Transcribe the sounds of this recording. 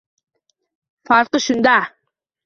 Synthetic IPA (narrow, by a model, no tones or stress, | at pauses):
fɑɾqəʃund̪ɑ